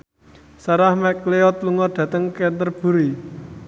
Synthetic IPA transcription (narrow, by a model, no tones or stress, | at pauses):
saɾahmɛkleɔt̪̚luŋɔɖ̪̥ä̤t̪əŋkent̪ərb̥ṳɾi